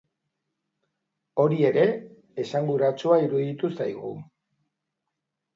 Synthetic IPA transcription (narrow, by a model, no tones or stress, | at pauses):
o̞ɾie̞ɾe̞ | esaŋɡuɾat͡suaiɾuðit̪usajɣṵ